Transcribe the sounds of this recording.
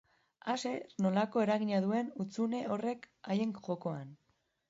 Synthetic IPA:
ase̞no̞lako̞e̞ɾaɣiɲaðue̞nut͡sune̞o̞re̞k | aje̞ŋʝo̞ko̞an

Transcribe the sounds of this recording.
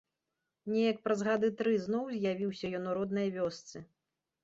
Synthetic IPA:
nʲɛjɐk̚pɾɐzɣad̪ɨt̪ɾɨznɔwzʲjavʲiwsʲɐjɔnɔɾɔd̪̚nɨjɐvʲɔst̪sɨ

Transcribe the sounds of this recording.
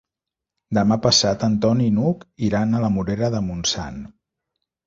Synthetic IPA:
d̪əmapəsat̪ənt̪ɔninukiɾanələmuɾeɾəðəmunsa̰n

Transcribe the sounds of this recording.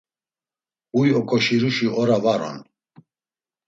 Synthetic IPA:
ujɔkʼɔʃiɾuʃiɔɾavaɾɔ̰n

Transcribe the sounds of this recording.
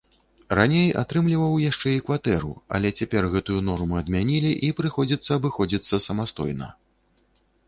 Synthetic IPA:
ranʲeja̰t̪ɾɨmlʲivɐwjaʂt͡ʂɛikvat̪ɛɾṵɐ̰lʲɛt͡sʲapʲɛrɣɛt̪ujunɔrmɨɐd̪mʲanʲilʲiʔipɾɨxɔd͡zʲit̪sːɐːbɨxɔd͡zʲit̪sːɐsɐmast̪ɔ̰jnɐ̰

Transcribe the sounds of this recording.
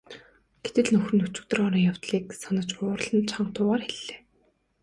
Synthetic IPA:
ɡ̥et̪ɘ̆ɮnɵxrɘ̆nːɵt͡ɕɪ̆k̚t̪ɵ̆rɔɾiːŋjaw̥t̪ɮiːk̚sanə̆t͡ɕʊːr̆ɮə̆nt͡ɕʰaɴt̪ʰʊːʁaːrxeɮːeː

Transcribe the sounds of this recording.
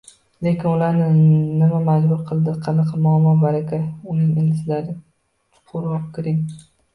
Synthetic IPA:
le̞kʲɪnʊlaɾnɪnɪmamad͡ʒbʊɾqʰɨlˠd̪ɪqʰɨnɨqɨmʊamɒnbaɾakʲaʊnɪŋelɪsɪlaɾɪ | t̪ʰʊ̥qʰʊɾɒpkʲʰɪɾɪŋ

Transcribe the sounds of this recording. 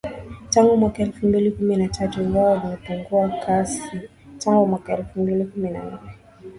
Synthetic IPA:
taŋɡumwakaɛlfumbilikuminatʰatuiŋɡawɔlimɛpuŋɡuakʰasi | taŋɡumwakaɛlfumbilikumina̰nnɛ

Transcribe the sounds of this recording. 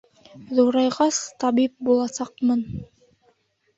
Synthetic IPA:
ðuɾɑjʁɑst̪ɑβip̚bulˠɑsɑqmɤn

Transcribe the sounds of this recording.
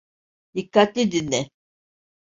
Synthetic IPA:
d̪̥ikːat̪lʲid̪inːɛ

